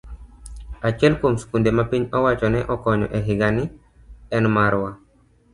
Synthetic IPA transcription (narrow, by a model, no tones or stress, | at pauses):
at͡ʃɛlkomsu̥kundemapiɲɔwat͡ʃɔnɛʔɔkɔɲɔ̰ʔɛɦɪɡanɪ | ɛnmaɾwa